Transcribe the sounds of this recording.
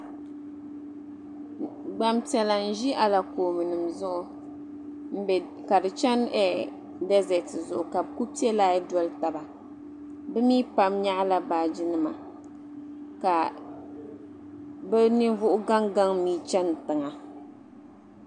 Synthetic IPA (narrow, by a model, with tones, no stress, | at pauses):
ɡ͡ba˦mtɛ˨la˨n̩˨ʒi˦ʔa˨la˨koː˨mɨ˨nɨ˨mzʊ˦ʔʊ˨ | m̩˦˨ | ka˨dɨ˨t͡ʃɛ˦nɛ˦ | dɛ˦zɛ˨tɨ˨zʊ˨ʔʊ˨ka˨bku˦pi˦ɛ˦laː˦jɛ˦dɔ˦lta˨ba˨ | bɛ˦miː˦pa˦mɲa˦ʔla˦baː˨d͡ʒi˦nɨ˦ma˨ | ka˨ | bɛ˦nɨ˦vʊ˦ʔʊ˦ɡa˦ŋɡa˦ŋ˦miː˦t͡ʃɛ˦n˨tɨ˨ŋa˨